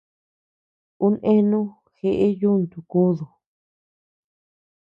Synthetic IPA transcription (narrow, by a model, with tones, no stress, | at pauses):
u˦nʔẽ˦nũ˦ | xe˧ʔe˦ju˦nt̪u˨ku˦ðu˨